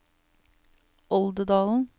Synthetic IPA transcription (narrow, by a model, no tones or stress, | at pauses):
ʔɔld̪əd̪ɑːln̩